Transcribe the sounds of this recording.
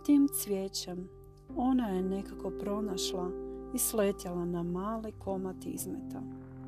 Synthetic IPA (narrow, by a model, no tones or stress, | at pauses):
t̪iːmt̪sʋʲjeːt͡ɕem | o̞naje̞ne̞kako̞pɾo̞naʃlˠaislet̪jalanamaːlikʰo̞mat̪ḭzmḛt̪a